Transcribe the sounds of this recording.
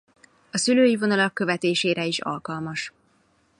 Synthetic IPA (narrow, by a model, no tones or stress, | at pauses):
ɒsyløːjivo̞nɒlɒkːø̞vɛt̪eːʃeːɾɛiʃɒ̰lkɒlmɒʃ